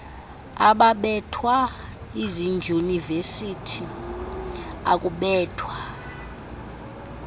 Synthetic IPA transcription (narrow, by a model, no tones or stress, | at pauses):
a̰ɓaɓɛtʰwaiziŋɡʱunivesitʰi | a̰kʼuɓɛːtʰwa